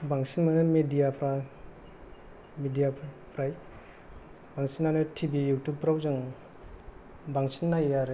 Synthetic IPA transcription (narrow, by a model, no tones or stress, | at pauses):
baŋsinmanɯmedijapʰɾa | midija | pʰɾaj | baŋsinːanɯtʰibijutup̚ːɾawzɯŋ | baŋsinːajaɾe